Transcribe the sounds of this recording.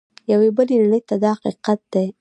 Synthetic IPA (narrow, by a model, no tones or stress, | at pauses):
jawebəlenaɳəjt̪ad̪ɑhaqiqat̪̚d̪̥aj